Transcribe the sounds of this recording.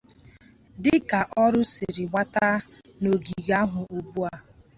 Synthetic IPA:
dɪ˦ka˨ʔɔ˦ɾʊ˦sɪ˨ɾɪ˨ŋʷa˦ta˦ | no˨ɡi˨ɣa˦ɦʊ˨ʔo˨bu˦a˦

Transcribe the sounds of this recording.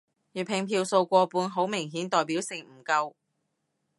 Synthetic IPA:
jyː˨˩pʰɪ˨ŋpʰiː˧wso˧wkʷɔː˧puː˨˧nɦo˨˥wmɪ˨˩ŋɦiː˨˥nt̪ɔː˨˩jpi˨˥wsɪ˨˩ŋm̩˨˩kɐ˧w

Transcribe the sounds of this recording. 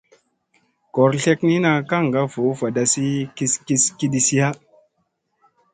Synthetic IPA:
ko˨ɾɬe˦kni˦na˨ka˦ŋ˨ɡa˦v̥o˨˦va˨da˨si˦ki˦ski˦ski˦di˨si˦ja˦

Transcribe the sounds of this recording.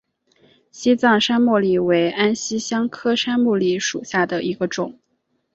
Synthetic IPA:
ɕi˥t͡sɑ˥˧ŋʂa˥nmu˥˩li˥˩we˧˥ɪʔa˥nɕi˥ɕjɑ˥ŋkʰɤ˥ʂa˥nmu˥˧li˥˩ʂu˨˩ɕja˥˩d̪ə˩ʔi˧˥ɡə˧ʈ͡ʂʊ˨˩˦ŋ

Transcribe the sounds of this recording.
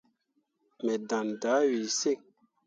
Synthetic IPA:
mɛ˨dã˨nda˨˦wi˨se˦˨ŋ

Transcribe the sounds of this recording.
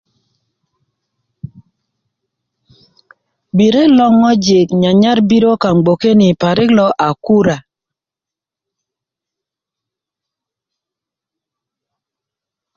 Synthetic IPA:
bi˨ɾe˦lɔ˦ŋɔ˦d͡ʒɪ˨kɲa˨ɲa˦ɾbi˦ɾo˦ka˨ŋ͡mɡ͡bo˨ke˦ni˨pa˨ɾɪ˦klɔ˦ʔa˨ku˦ɾa˨

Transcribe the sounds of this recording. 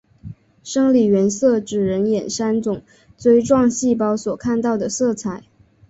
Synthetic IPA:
ʂɤ˥ŋli˨˩ɥɛ˧˥nsɤ˥˩ʈ͡ʂɻ̩˨˩ɻə˧˥njɛ˨˩nʂa˥nt͡sʊ˨˩ŋ | t͡swe˥ɪʈ͡ʂwɑ˥˧ŋɕi˥˩pɑ˥ʊswɔ˨˩kʰa˥˧nt̪ɑ˥˩ʊd̪ə˩sɤ˥˩t͡sʰa˨˩˦ɪ

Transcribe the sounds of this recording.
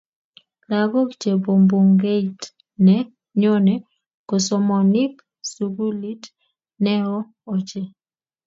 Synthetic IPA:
la˨ɡɔ˦kt͡ʃe˨bo˨mbo˨ŋɡe˦it | nɛ˨ | ɲo˦nɛ˨ | ko˨so˨mɔ˨ni˦p | su˨ɡu˦li˦t | nɛ˦ɾɔː˦˨ | t͡ʃe˦

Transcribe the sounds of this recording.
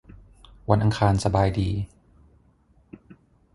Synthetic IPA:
wa˧nʔa˧ŋkʰaː˧nsa˧baː˧jdiː˨˧

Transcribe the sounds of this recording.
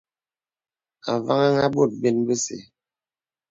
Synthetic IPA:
a̰˨va˦ŋa˦ŋa˦ɓo˦˨t̚be˦nbə˦sḛ˨

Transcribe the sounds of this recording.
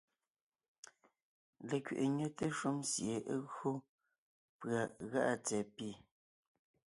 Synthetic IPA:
le˨kɥḛ˨ʔe˨ɲə˦te˦ʃu˦msje˨ʔɣo˦ | pɰa˨ɣa̰˦ʔa˦˨t͡sɛ˨pi˦˨

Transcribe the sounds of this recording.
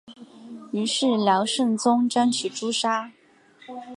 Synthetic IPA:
y˧˥ʂɻ̩˥˩ljɑ˧˥ʊʂɤ˥˩ŋt͡sʊ˥ŋʈ͡ʂa˥nt͡ɕʰy˨˩ʈ͡ʂu˥ʂa˥

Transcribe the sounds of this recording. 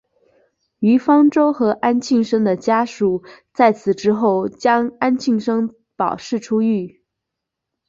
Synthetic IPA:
y˧˥fɑ˥ŋʈ͡ʂo˥ʊxɤ˧˥ʔa˥nt͡ɕʰi˥˩ŋʂɤ˥ŋd̪ə˨t͡ɕja˥ʂu˨˩t͡sa˥˩ɪt͡sʰɹ̩˨˩ʈ͡ʂɻ̩˥xo˥˩ʊt͡ɕjɑ˥ŋa˥nt͡ɕʰi˥˧ŋʂɤ˥ŋ | pɑ˨˩ʊʂɻ̩˥˩ʈ͡ʂʰu˥y˥˩

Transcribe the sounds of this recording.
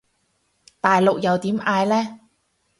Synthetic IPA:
t̪aː˨jlʊ˨k̚jɐ˨wt̪iː˨˥mʔaː˧jlɛː˥

